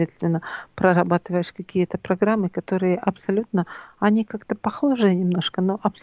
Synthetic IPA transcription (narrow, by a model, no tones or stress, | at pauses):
et̪st̪vʲɪnːəpɾəɾɐbat̪ɨvəjɪʂkɐkʲijət̪əpɾɐɡɾamːɨkɐt̪o̞ɾɨjəʔɐpsɐlʲut̪nəɐnʲikakt̪əpɐxo̞ʐɨjənʲɪmno̞ʂkənoʔɐps